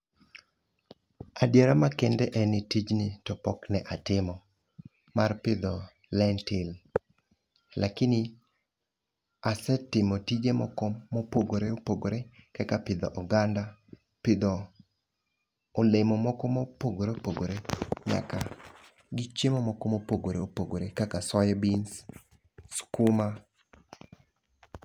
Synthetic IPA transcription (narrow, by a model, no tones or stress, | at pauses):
adjeɾamakɛndɛʔɛnɪtid͡ʒnɪtɔpɔknɛʔatɪmɔ | marpɪd̪ɔ | lɛntɪl | lakɪnɪ | asɛtɪmotid͡ʒemɔ̰kɔmopoɡoɾeopoɡoɾekɛkapɪd̪ɔ̰ʔɔɡanda | pɪd̪ɔ | olemɔmɔkɔmopoɡoɾeopoɡoɾeɲa̰ka | ɡɪt͡ʃjemɔmɔkɔmopoɡoɾeopoɡoɾekakasɔjɛbins | skʊma